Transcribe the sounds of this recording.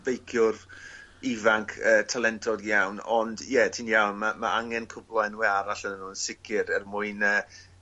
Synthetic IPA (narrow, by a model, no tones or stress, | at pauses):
vejkʰjʊrɪvaŋkʰəːtʰalˠɛntʰɔdjawnɔndjɛtʰiːnjawnmamaʔaŋɛnkʰʊblˠɔɛnwɛaɾaɬənənunsɪkʰɪɾɛrmʊɨnəː